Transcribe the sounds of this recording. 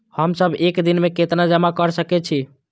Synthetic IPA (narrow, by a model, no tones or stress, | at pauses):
həmsəbʱekd̪inmeket̪nad͡ʒəmakəɾsəkɛt͡ʃʰi